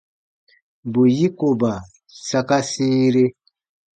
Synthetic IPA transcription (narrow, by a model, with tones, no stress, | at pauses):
bu˨ji˦ko˨ba˨ | sa˦ka˦si˦ɾe˦